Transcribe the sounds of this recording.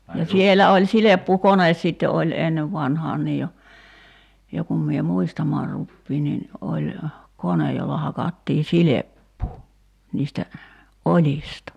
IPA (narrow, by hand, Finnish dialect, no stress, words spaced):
jɑ sielæ olʲ silepːukones sitːe olʲ enːeʋ ʋɑnhɑːn niːj jo jo kum mie muistɑmɑːr rupːiːn nin olʲ konej jolːɑ hɑkɑtːiː silepːuː niːstæ olʲistɑ